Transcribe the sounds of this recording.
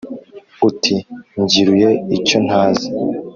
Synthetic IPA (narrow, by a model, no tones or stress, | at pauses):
utʰiɲɟiɾuje̞ico̞n̥haːzi